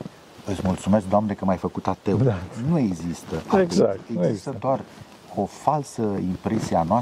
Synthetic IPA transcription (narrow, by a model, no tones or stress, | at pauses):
ɨt̪sʲmult̪sumesk̚d̪oamnekəmajfəkut̪at̪eunue̞ɡzist̪əʔapɡaeɡzist̪əd̪oar | o̞falsəimpɾesieanoa